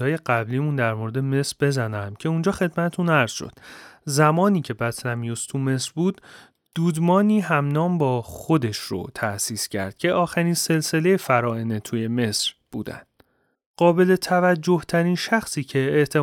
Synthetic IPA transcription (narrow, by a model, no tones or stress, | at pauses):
ɒːje̞ɢæbliːmund̪æɾmoɾe̞d̪eme̞sɾbe̞zænæmcʰe̞und͡ʒɒːxe̞d̪mæt̪ʰet̪ʰunæɾz̥ʃo̰d̪̥zæmɒːniːcʰe̞bæt̪næmijust̪ʰume̞sɾbuːd̪̥ | d̪̥uːd̪mɒːniːɦæmnɒːmbɒːxo̞d̪e̞ʃɾo̰t̪ʰæʔsiːscʰæ̰ɾd̪̥̚cʰe̞ʔɒːxæɾiːnse̞lse̞le̞jefæɾɒːene̞t̪ʰuje̞me̞sɾb̥ṵːd̪æ̰nd̪̥ | ɢɒːbe̞le̞t̪ʰævæd͡ʒːo̞ht̪ʰæɾiːnʃæxsiːcʰe̞ːʔt̪ʰe̞